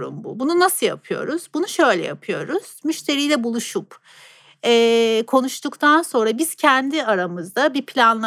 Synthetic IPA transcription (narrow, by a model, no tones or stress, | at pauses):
ɾṵmbṵbununasɯja̰pʰɯjo̞̰ɾuz̥bunuʃø̞jlʲɛ̰ja̰pʰɯjo̞ɾuz̥myʃt̪ʰe̞ɾijlʲɛbulˠuʃup | ɛːkʰo̞nuʃt̪ukt̪ʰanso̞nɾabiz̥cʰɛnd̪iaɾamɯzd̪abipʰlʲanlˠ